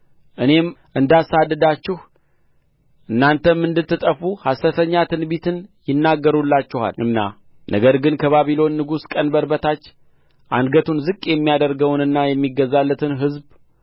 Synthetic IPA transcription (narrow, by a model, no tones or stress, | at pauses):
ʔɨne̞mʔɨnd̪asad̪ːɨd̪at͡ʃːɪh | ʔɨnːant̪ʰəmːɨnd̪ɨt̪ːɨt̪ʼəfuhasət̪ʰəɲːat̪ʰɨnbit̪ʰɨnjɪnːaɡːəɾulːat͡ʃːɪha̰lɨnːa̰ | nʔə̰ɡəɾɡɨnkʰəβaβilo̞nːɨɡuskʼənbəɾbət̪ʰat͡ʃː | ʔa̰nɡət̪ʰunzɨkʼjɛmːijad̪əɾɡəwnɨnːajɛmːiɡəzːalːət̪ʰɨnɦɨzb